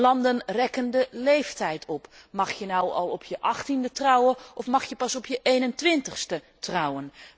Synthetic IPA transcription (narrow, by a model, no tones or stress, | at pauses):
lɑndənrɛkəndəlejftɛjtʰɔpmɑχjənɔwɑ̰lˠɔpʰjəʔɑχtindətrɔwəʔɔfmɑχjəpɑsɔpjəʔejnəntʋɪntəχstə | trʌwən